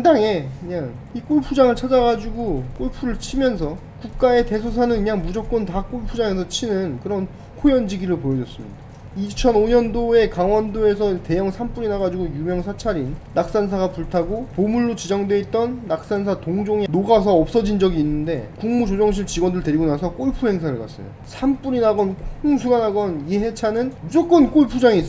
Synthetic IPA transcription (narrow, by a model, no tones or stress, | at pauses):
andaŋe̞kɯɲaŋ | ik͈oɭpʰud͡ʑaŋɯɭt͡ɕʰad͡ʑaɡad͡ʑuɡok͈oɭpʰuɾɯɭt͡ɕʰimjʌns̬ʰʌ | kuk̚k͈ae̞te̞sʰos̬ʰanɯnkɯɲaŋmud͡ʑʌk̚k͈ontak͈oɭpʰud͡ʑaŋe̞s̬ʰʌt͡ɕʰinɯnkɯɾʌn | kʰojʌnd͡ʑiɡiɾɯɭpojʌd͡ʑʌs͈ɯmɲḭida | it͡ɕʰʌnoɲʌndoe̞kaŋwʌndoe̞sʰʌte̞jʌŋsʰamp͈uɾinaɡad͡ʑuɡojumjʌŋsʰat͡ɕʰaɾinːak̚s͈ans̬ʰaɡapuɭtʰaɡopomuɭːot͡ɕid͡ʑaŋdwe̞it̚t͈ʌnːak̚s͈ans̬ʰatoŋd͡ʑoŋenoɡas̬ʰʌːp̚s͈ʌd͡ʑind͡ʑʌɡiːnːɯnde̞̰kuŋmud͡ʑod͡ʑʌŋɕ̬ʰiɭt͡ɕiɡwʌndɯɭte̞ɾiɡonasʰʌk͈oɭpʰuɦe̞ŋs̬ʰaɾɯɭkas͈ʌ̰jo̰sʰamp͈uɲinaɡʌnkʰus̬ʰuɡanaɡʌnieɦe̞t͡ɕʰanɯnmud͡ʑok͈ʌnk͈oɭpʰud͡ʑaŋiːs͈